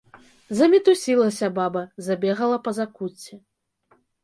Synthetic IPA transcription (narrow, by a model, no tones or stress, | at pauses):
zɐmʲit̪usʲilˠɐsʲɐbabɐzabʲɛɣɐlˠɐpɐzakut͡sʲːɛ